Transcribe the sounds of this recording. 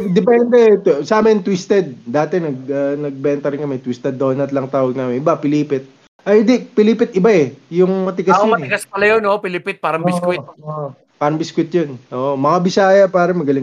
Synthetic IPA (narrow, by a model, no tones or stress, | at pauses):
d̪ɛpɛnd̪ɛsaːmɐnt̪wist̪ɛd̪̚d̪aːt̪ɛnɐɡ̚ɐnɐɡ̚bɛnt̪ɐɾɪnkɐmɛt̪wist̪ɛd̪ːonɐt̪lɐŋt̪aːwɐɡ̚naːmɪnʔɪbapɪliːpɪt̪̚ | ʔɐɪnd̪ipɪliːpɪt̪ɪbaɛjʊŋmɐt̪ɪɡasjomɐntɪɡaspɐlɐjonopɪlɪpɪt̪̚paːɾɐŋɪskkwɪt̪ːʔo | paːɾɐŋbɪskwɪt̪̚jonʔoːʔomɐkabɪsaːjɐpaːɾɐŋmɐɡɐlɪŋ